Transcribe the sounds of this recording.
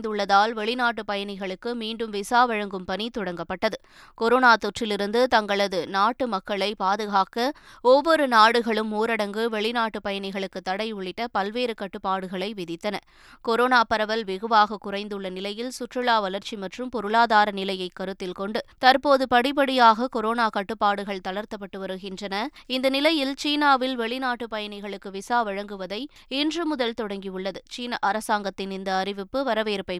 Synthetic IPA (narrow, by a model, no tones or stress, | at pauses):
nd̪ɯɭːɐðaːlʋɛɭɪnaːʈ̬ːɯpɐjɐnɪɣɐɭɯkːɯmiːɳɖɯmʋɪsaːʋɐɻɐŋɡɯmpɐnit̪ɔɽɐŋɡɐpːɐʈːɐðɯ | kɔɾoːnaːt̪ɔʈrɪlɪɾɯnd̪ɯt̪ɐŋɡɐɭɐðɯnaːʈːɯmɐkːɐɭɐɪpaːðɯɣaːkɐɔʋːɔɾɯnaːɽɯɣɐɭɯmːuːɾɐɽɐŋɡɯʋɛɭɪnaːʈːɯpɐjɐnɪɣɐɭɯkːɯt̪ːɐɽɐɪʊɭɪʈːɐpɐlʋeːɾɯkɐʈːɯpːaːɽɯɣɐɭɐɪʋɪðɪt̪ːɐnɐ | kɔɾoːnaːpɐɾɐʋɐlʋɪɣɯʋaːɣɐkʊrɐɪnd̪ɯɭːɐnɪlɐjɪlsʊʈrɯɭaːʋɐlɐɾt͡ʃimɐʈrɯmpɔɾɯɭaːðaːɾɐnɪlɐjɐɪkːɐɾɯt̪ːɪlkɔɳɖɯt̪ɐɾpoːðɯpɐɽɪp̬ːɐɽɪjaːɣɐkɔɾoːnaːkɐʈːɯpːaːɽɯɣɐɭt̪ɐɭɐɾt̪ɐp̬ːɐʈːɯʋɐɾɯɣɪndrɐnɐɪnd̪ɐnɪlɐjɪlt͡ʃiːnaːʋɪlʋɛɭɪnaːʈːɯpɐjɐnɪɣɐɭɯkːɯʋɪsaːʋɐɻɐŋɡɯʋɐðɐɪ | ɪndrɯmʊðɐlt̪ɔɽɐŋɡijɯɭːɐðɯt͡ʃiːnɐʔɐɾɐsaːŋɡɐt̪ːɪnɪnd̪ɐːrɪʋɪpːɯʋɐɾɐʋeːɾpɐɪ